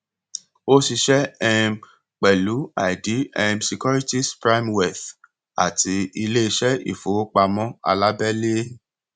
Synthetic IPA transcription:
o˦si˧ʃɛ˦ɛ˧m | k͡pɛ˨lu˨˦a˨di˨˦ɛ˧msi˧kɔ˦ɾi˦ti˦spɾa˦i˦mwɛ˨θ | a̰˨ti˧˦i˧le˦i˧ʃɛ˦ḭ˨fo˨˦k͡pa˧mɔ̃˦a̰˧la˦bɛ˦le˦

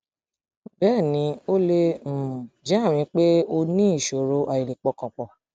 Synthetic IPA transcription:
bɛː˦˨nĩ˧˦o˦le˦˨d͡ʒɛ˨˦a˦˨ɾ̃ĩ˧˦k͡pe˦o˧nĩ˦i˦˨ʃo˨ɾo˨˦ʔa˨ji˨li˨k͡pɔ˧kɔ̃˨k͡pɔ˨

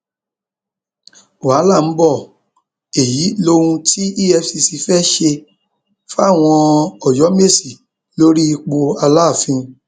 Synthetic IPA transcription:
a˨˦la˦˨n̩˨˦bɔ˦˨ | e˨ji˨˦lo˧˦ũ˧ti˦i˦jɛ˧si˧si˧fɛ˦ʃe˧ | fa˦˨w̃ɔ̃˧ɔ˨jɔ˨˦me˦˨si˨ | lo˦ɾi˦i˧k͡po˧a˧la˦˨fĩ˧

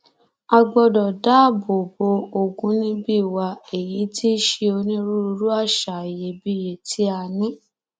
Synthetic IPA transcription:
a˧ɡ͡bɔ˧dɔ˨da˦˨bo˨bo˧˦o˧ɡũ˧˦nĩ˦bi˦˨wa˧e˨ji˨˦tʰi˦ʃe˧o˧nĩ˦ɾu˦ɾu˧ɾu˦a˦˨ʃa˨e˨je˨˦bi˦˨je˨tʰi˦a˧nĩ˦

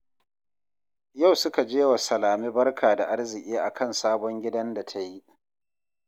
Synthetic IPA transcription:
ja˦˨wsʊ˦ka˨d͡ʒeː˦wa˨sɐ˨laː˨miː˦bɐ˦rkʰaː˨da˨ʔa˦rzɪ˨ʔʲʼiː˦ʔa˨kʰɐ˦nsaː˦bɔ˦ŋɡʲɪ˦dɐ˦nda˨tʰa˦ji˦

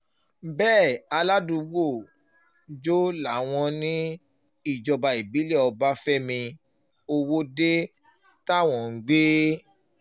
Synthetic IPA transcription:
bɛː˦˨a˧la˦dũ˧wo˦˨ | d͡ʒo˦la˨w̃ɔ̃˧nĩ˦ | i˦˨d͡ʒɔ˧ba˧i˨bi˨˦lɛ˦˨ɔ˧ba˦fɛ˦mĩ˧ | o˧wo˦de˦ | ta˦˨w̃ɔ̃˨ŋ̩˦ɡ͡be˦

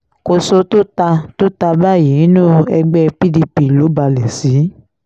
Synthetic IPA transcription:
ko˧so˧to˦ta˧to˦ta˧ba˦˨ji˨˦nũ˦ɛ˧ɡ͡bɛ˦˧pi˦di˧pi˨lo˨˦ba˧lɛ˨si˨˦

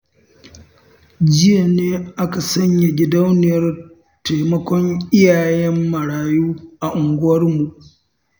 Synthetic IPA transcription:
d͡ʒɪ˦ja˨neː˦ʔa˦ka˨sɐ˦ɲja˨ɡʲɪ˦da˦wnɪ˨jɐ˦r | ta˨mɐ˦kʷɔ˦ŋʔɪ˦jaː˨jɛ˦mːɐ˨ɽaː˨juː˦ʔa˨ʔʊ˨ŋɡʷʊ˦wɐ˦rmu˨ʔ

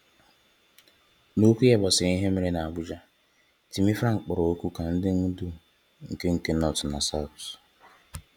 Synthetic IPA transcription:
no˦kʷu˦je˨bɔ˨sɪ˨i˦ɦe˦me˨ɾe˦na˨a˨bʊ˦d͡ʒa˦ | ti˨mi˦fɾa˦˨ŋ˨k͡pʊ˨ɾɔ˨o˦kʷu˦ka˨n̩˦dɪ˦ŋ̩˦du˦ | ŋ̩˨ke˦ŋ̩˨ke˦nɔ˦˨tʊ˨na˨sa˦˨s

